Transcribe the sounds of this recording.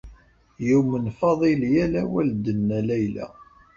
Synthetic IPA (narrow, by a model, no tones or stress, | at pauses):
jumənfɑðˤiljælæwæld̪ənːælæjlæ̰